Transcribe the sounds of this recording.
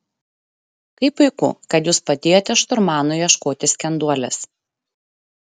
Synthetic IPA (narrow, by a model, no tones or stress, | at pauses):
kɐɪpʊɪkʊ̰kɐt̪juːspɐt̪ʲeːjoːt̪ʲɛʃt̪ʊɾmɑːnʊɪjɛʃkoːt̪ʲɪsʲkʲɛnd̪uɔlʲɛs